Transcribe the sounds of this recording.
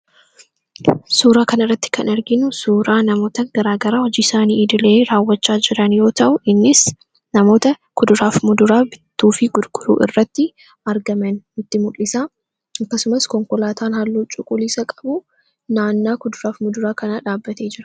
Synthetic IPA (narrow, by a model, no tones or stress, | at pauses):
suːɾaːkɐnɐrːɐt̪ːɪ̥kɐnɛɾɡɪnʊsuːɾaːnɐmo̞ːt̪ɐɡ̥ɐɾaːɡɐɾaːhɔd͡ʒiːɪsaːniːɪd̪ɪleːɾaːwːɐt͡ʃːaːd͡ʒɪɾɐnjo̞ːt̪ɐʔʊʔɪnːɪs | nɐmo̞ːt̪ɐ | kʊd̪ʊɾaːfmʊd̪ʊɾaːbɪt̪ːuːfɪɡʊd̪ɡ̥ʊɾṵːʔɪrːɐt̪ːɪ | ɐɾɡɐmɐnɪt̪ːɪmʊᶑɪsaː | ɐkːɐsʊmɐskɔŋkɔlaːt̪ʰaːnhɐlːuːt͡ʃʼʊkʼʊliːsɐkʼɐbʊ | naːnːaːkʊd̪ʊɾaːfmʊd̪ʊɾaːkɐnɐᶑaːbːɐt̪e̞ːd͡ʒɪɾɐ